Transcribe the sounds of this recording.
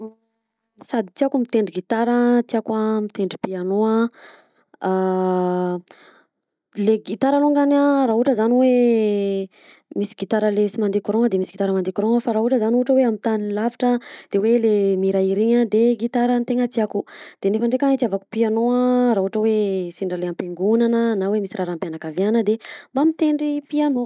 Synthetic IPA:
sad̪it̪iakumit̪eɳɖ͡ʐiɡit̪aɾət̪iakwamit̪eɳɖ͡ʐipianoa | a | leɡit̪aɾaloŋɡanaraɦuʈ͡ʂəzaniwe | misi̥ɡit̪aɾəlesimand̪ekuɾõŋəd̪emisiɡ̥it̪aɾəmand̪ekuɾɔŋəfaɾaɦuʈ͡ʂəzanuʈ͡ʂəweamint̪aninlavaʈ͡ʂəd̪̥ewelemiɾaiɾiɲəd̪eɡit̪aɾənt̪eŋət̪iakud̪̥enefəɳɖ͡ʐekait̪iavaku̥pianoəɾaɦuaʈ͡ʂəwesiɳɖ͡ʐaleampeŋɡunanənawemisirʔaɾampjanakavianəd̪embamit̪eɳɖ͡ʐipiano

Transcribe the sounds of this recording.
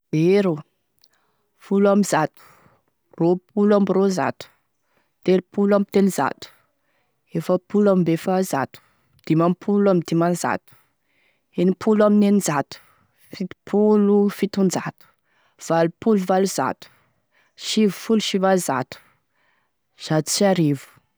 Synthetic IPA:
eɾo | fulamizat̪u̥ | rop̚ʰulambiɾoza̰t̪u̥ | t̪elpulamit̪eniza̰t̪u̥ | efəpulamimbefaza̰t̪u̥ | d̪̥imampʰulamid̪imanza̰t̪u̥ | enipʰulaminenizat̪u̥ | fit̪i̥pʰulufit̪und͡ʒat̪u̥ | v̥alupuluvaluza̰t̪u̥ | ʃivufuluʃivaza̰t̪u̥ | z̥at̪u̥siaɾivu̥

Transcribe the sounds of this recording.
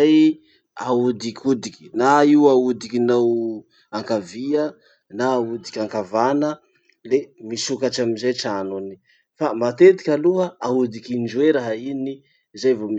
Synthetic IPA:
aj | aud̪ikʲʰud̪ikʲi̥naiwaud̪ikinaw | aŋkaviə | naːud̪ikʲaŋkavanə | lemisukaʈ͡ʂamizajʈ͡ʂanuni̥ | famat̪et̪i̥kʲaluəaud̪ikind͡ʒueɾaɦaini | zajvomi

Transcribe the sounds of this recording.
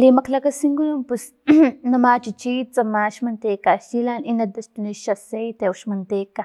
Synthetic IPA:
liːmɐklɐkɐsiŋɡunumpus | nɐmat͡ʃit͡ʃit͡sɐmaʃmɐnt̪ekaʃilaninɐd̪ɐst̪uniʃasejt̪euʃmɐnt̪eka

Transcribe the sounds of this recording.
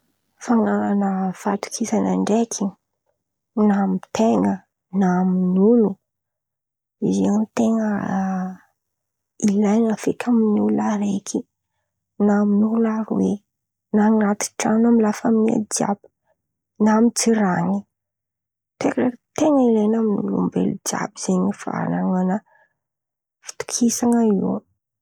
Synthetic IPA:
faŋalanəfat̪u̥kʰisanaɳɖ͡ʐekʰi | namit̪eŋə | naminulu | iziamt̪eŋə | ilajnafekʰaminiulaɾekʰi | naminulaɾwe | naniɾat̪i̥ʈ͡ʂanamilafaminia̰d͡ʒa̰b̥i̥ | namit͡siɾaɲi | t̪ekʈ͡ʂakt̪eŋəilejnaminṵlṵmbḛlud͡ʒa̰biz̥eɲifa̰naŋanə | fi̥t̪u̥kʰisaŋəiw

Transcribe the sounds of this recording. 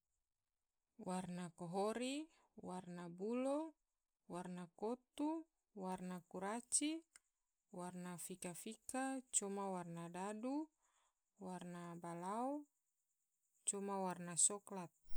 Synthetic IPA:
warnakɔɦɔɾi | warnabulɔ | warnakot̪u | warnakuɾat͡ʃi | warnafikafikat͡ʃɔmawarnadadu | warnabalau | t͡ʃɔmawarnasɔklat̪̚

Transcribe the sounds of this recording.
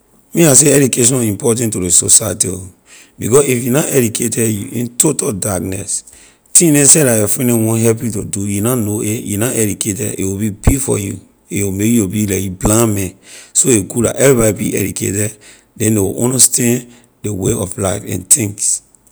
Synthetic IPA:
mĩas̬eɛd͡ʒukeʃ̬ɔ̃nĩmpɔt̬ɛ̃ntuɾesosajatio | bikɔsifjunaʔɛd͡ʒukʰetɛjuʔḭ̃ntʰotaldak̚nɛs | tĩnɛ̃sɛɾajɔfɛ̃nɛ̃wɔ̃nɦɛp̬iutudujunanoejunaʔɛd͡ʒukʰetɛḛwibipifɔ̰jṵ | ewimekjobilakjublãmɛ̃nsoeɡuda̰ʔɛvɹibaibḭʔɛ̰dukʰḛtɛd | dɛ̃ndewḭʔõ̰nostʰɛ̃n | deweɔflaɪfɛ̰̃ntʰĩŋs

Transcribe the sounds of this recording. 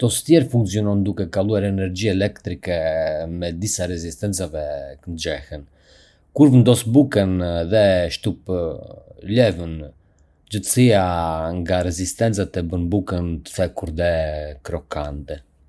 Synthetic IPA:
t̪ɔst̪jɛɾfuŋksiɔnɔnd̪ukɛkalˠuaɾɛnɛɾd͡ʑiaɛlɛkt̪ɾikɛmɛd̪isaɾɛzist̪ɛnt͡savɛkənd͡ʒɛhən | kuɾvənd̪ɔsbukənðɛʃt̪up | lɛvən | d͡ʑət̪ə̥siaŋɡaɾɛzist̪ɛnt͡sat̪ɛbənbukənt̪ə̥θɛkuɾðɛkɾɔkʰand̪ɛ

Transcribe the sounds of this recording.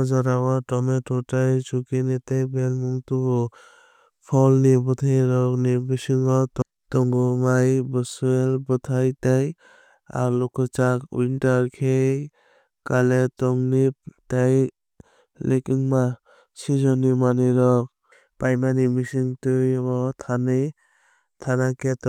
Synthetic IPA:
d͡ʒɔɾawaʈɔmeʈɔʈajt͡ʃukinit̪ajbelmuŋt̪ubɔ | pʰɔlnibɔt̪ʰajɾɔknibisiŋɔt̪ | t̪ɔŋɡɔmajbəsuelbɔt̪ʰajt̪aj | a̰ɾlɔkɔt͡ʃakṵinʈaɾkʰej | kalet̪ɔŋniptaj | lekiŋma | sid͡ʒɔnimaniɾɔk̚ | pajmanimisiŋtujbɔt̪ʰani | t̪ʰanakɛt̪

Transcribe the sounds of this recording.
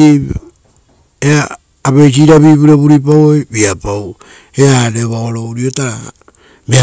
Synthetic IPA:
i | eaː | βe̞js̬iɾaβiβuɾeβuɾip̬awojbiapaw | eaɾeβaoɾouɾiotaɾa | mea

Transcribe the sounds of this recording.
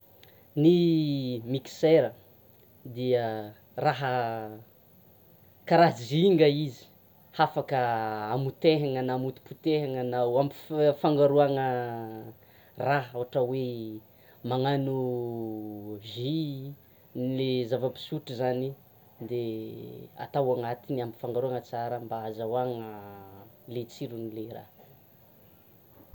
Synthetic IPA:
ni | miki̥seɾə | d̪iə | raɦə | kaɾaɦziŋɡəizi̥ | hafakəamut̪eɦaŋənamut̪i̥put̪eɦaŋənawampi̥faŋɡaɾuaŋə | raɦawɦaʈ͡ʂəwe | maŋanu | vi | nilezavəpi̥suʈ͡ʂizani | d̪e | a̰t̪awaŋat̪iniampi̥faŋɡaɾuaŋət͡saɾəmbaazawaŋə | let͡siɾunilera̰

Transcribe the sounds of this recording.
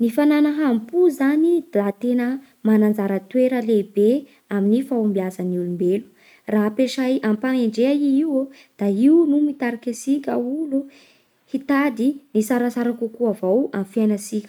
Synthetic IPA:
nifananəɦampuzanid̪̥at̪enə | manand͡zaɾət̪weɾəlebe | aminifaumbiazəniulumbelu̥ | raɦpeʃajʔampaŋeɳɖ͡ʐeaiiw | d̪̥aiunumit̪aɾikesikʲəulu | hit̪ad̪inisaɾasaɾakukuavawamfianasikʲə̥

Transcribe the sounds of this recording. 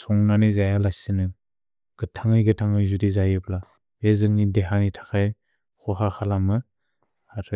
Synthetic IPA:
sɔŋnanizajalajsɯnɯ | ɡ̥ɯtʰaŋɯjɡɯtʰaŋɯjzudizajɯpla | bezɯŋnideɦanitʰḁkʰaj | xɔɦaxʰalamɯ | aɾʰɯ

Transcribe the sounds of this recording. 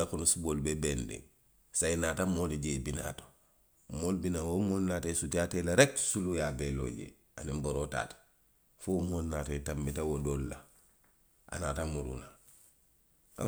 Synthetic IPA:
akunusuboːlbebendḛ̃ŋ | sainaːtamoːliɟebina̰to̥ | moːlbinawomoːlnaːtesutiatelaɾeksulujabelo̰ɟḛ | a̰nimboɾota̰ːt | fomonnaːtatambitawodolːa̰ | ʔa̰naːtamuɾṵna | a̰

